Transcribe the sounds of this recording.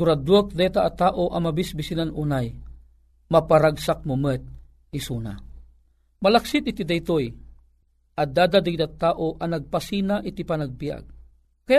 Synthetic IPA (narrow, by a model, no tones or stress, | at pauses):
uɾad̪ok̚d̪ɛt̪aʔːt̪aːʔoʔɐmɐbisbisinanuːnaj | mɐpaɾaɡsak̚mumət̪̚ | isuːna̰ | mɐlaksɪt̪̚ɪt̪id̪ajt̪oj | ɐd̪aːd̪ad̪ɐɡit̪at̪ːaːʔoʔɐnɐɡ̚pasinaʔɪt̪ipanaɡ̚bija̰ɡ̚ | kɐja